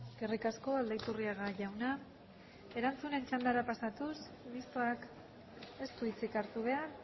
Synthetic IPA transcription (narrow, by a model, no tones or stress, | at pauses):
ɡ̥erikasko̞ald̪ajt̪uriaɣaʝawna | e̞ɾant͡sune̞nt͡ʃand̪aɾapasat̪us | mist̪oak | e̞st̪uit͡sikaɾt̪uβ̞e̞aɾ